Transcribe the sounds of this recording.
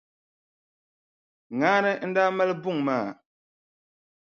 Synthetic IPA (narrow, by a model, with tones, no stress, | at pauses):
ŋaː˦nɨ˦n̩˦daː˦ma˦lɨ˦bʊ˦˨ŋmaː˦˨